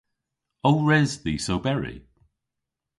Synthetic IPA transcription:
owɹɛzðiːsowbɛɹḭ

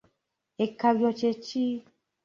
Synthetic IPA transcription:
ekawiɔt͡ʃet͡ʃi

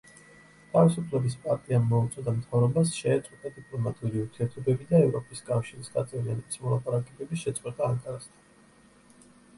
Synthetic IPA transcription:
t̪ʰavisupʰlɛbispʼaɾt̪ʼiamɔut̪sʼɔd̪amt̪ʰavɾɔbasʃɛːt̪sʼqʼwɛt̪ʼad̪ipʼlˠɔmat̪ʼuɾiuɾt̪ʰiɛɾt̪ʰɔbɛbid̪aɛvɾɔpʼiskʼafʃiɾisɡat̪sʼɛvlianɛbi̥smɔlˠapʼaɾakʼɛbɛbiʃɛt̪sʼqʼwɛt̪ʼaːŋkʼaɾast̪ʰḁn

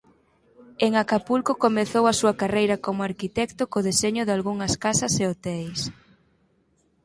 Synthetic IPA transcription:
eŋakapulkokomeθowɐsuɐkarejɾɐkomʊaɾkit̪ɛkt̪ʊkoðeseɲʊðalɣuŋɐskasɐseot̪ɛjs

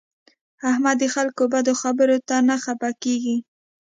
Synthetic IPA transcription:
ahmad̪ːəxalkobad̪oxabəɾot̪anaxapakeɡi

